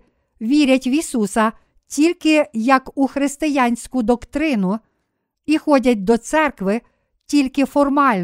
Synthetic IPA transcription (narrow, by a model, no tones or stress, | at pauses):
ʋʲiɾʲɐtʲʋʲisusɐ | tʲilʲkɪjɐkuxɾɪst̪ɪjanʲsʲkʊd̪ɔkt̪ɾɪnʊ | ixɔdʲɐt̚ʲd̪ɔt̪sɛrkʋɪ | tʲilʲkɪfɔrmɑlʲ